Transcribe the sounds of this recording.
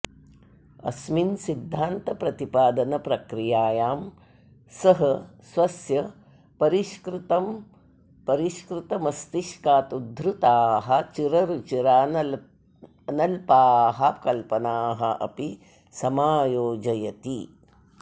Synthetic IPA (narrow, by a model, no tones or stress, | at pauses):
ɐ̰sminsid̪ʱːaːnt̪ɐpɾɐt̪ipaːd̪ɐnɐpɾɐkɾijaːjaːm | sɐɦɐsʋɐsjɐ | pɐɾiʃkɾɪt̪ɐm | pɐɾiʃkɾɪt̪ɐmɐst̪iʃkaːt̪ud̪ʱɾut̪aːɦɐ̆t͡ʃiɾɐɾut͡ʃiɾaːn | nɐlpaːɦɐkɐlpɐnaːɦɐʔɐ̰pi | sɐmaːjoːd͡ʒɐjɐt̪i